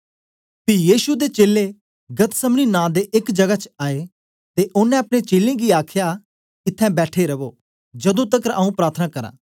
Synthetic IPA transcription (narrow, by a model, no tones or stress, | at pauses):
pijiːʃud̪eːt͡ʃeːle | ɡət̪səmɽ̃inãːd̪eʔɪkd͡ʒɐɡat͡ʃaːe | t̪eʔʊnːɛ̃ːɐpɽ̃ẽːt͡ʃeːlẽːɡiːaːkʰja | kɪt̪ʰːɛ̃ːbɛːʈʰeɾəʋoː | d͡ʒəd̪õːt̪əkɾaːũpɾaːɾt̪ʰnaːkəɾã̰ː